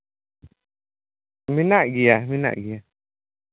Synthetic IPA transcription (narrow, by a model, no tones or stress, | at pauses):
minaʔɡijamina̰ʔɡija